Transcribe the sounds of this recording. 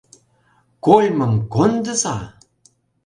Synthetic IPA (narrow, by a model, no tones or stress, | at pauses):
kojməŋkondəsa